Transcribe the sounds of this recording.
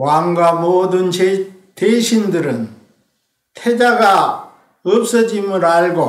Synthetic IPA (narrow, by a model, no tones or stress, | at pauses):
waŋɡwamodɯn | t̪eɕʰindɯɾɯn | tʰed͡ʑaɡa | ɯp̚s͈ʌd͡ʑimɯɾaɭɡo